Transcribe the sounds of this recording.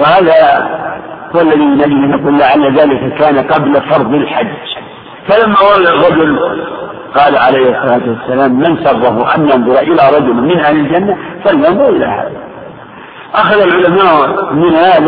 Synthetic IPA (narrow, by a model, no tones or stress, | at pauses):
wɪhaːða | hʊwalːaðimɪnad͡ʒɪlanːaquːlːaʕalːaðaːlɪkakaːnaqɑblafɑɾˤðˤɪlħad͡ʒː | falamːawɑlːarˤːɑd͡ʒʊl | qɑːlaʕalajhɑsˤːɑlaːt̪ʊwasːalaːmːansɑrˤːɑhʊʔa̰njɑnðˤʊɾˤʔɪlaɾˤɑd͡ʒʊlmɪnʔahlɪld͡ʒanːafaljɑnðˤʊɾʔɪlaha̰ːða | ʔaxaðalʕʊlamaːʔmɪnhaːð